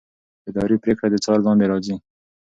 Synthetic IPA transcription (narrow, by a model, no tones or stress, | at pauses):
ɪd̪ɑɾipɾekɽad̪ət͡ʃɑɾlɑ̃nd̪eɾɑzi